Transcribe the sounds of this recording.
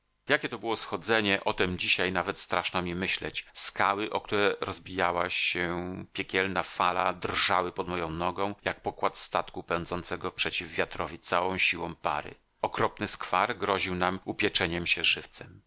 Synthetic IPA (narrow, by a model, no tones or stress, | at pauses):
jakʲɛt̪ɔbɘwɔsxɔd̪zɛɲɛʔɔt̪ɛmd͡ʑiɕajnavɛt̪st̪ɾaʂnɔmʲɛmɘɕlɛ̰t͡ɕskawɘʔɔk̚t̪uɾɛɾɔzbʲijawaɕɛpʲjɛkʲɛlnafalad̪rʐawɘpɔd̪mɔjɔ̃w̃nɔɡɔ̃w̃jak̚pɔkwat̪st̪at̪kupɛnd̪zɔnt̪sɛɡɔpʂɛt͡ɕivːʲjat̪ɾɔvʲit̪sawɔ̃w̃ɕiwɔ̃w̃pa̰ɾɘ̰ | ɔkɾɔpnɘskfaɾɡɾɔʑiwnamupʲjɛt͡ʂɛɲɛmɕɛʐɘft̪sɛm